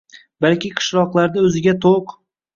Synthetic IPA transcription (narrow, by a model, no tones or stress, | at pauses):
balkʲɪqʰɨ̥ʃlɒqlˠaɾd̪aɵzɪɡʲat̪ʰoq